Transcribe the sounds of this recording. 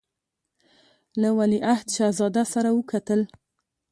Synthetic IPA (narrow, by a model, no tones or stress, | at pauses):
lawaliʔahd̪ʃɑzɑd̪asaɾawəkʰat̪əl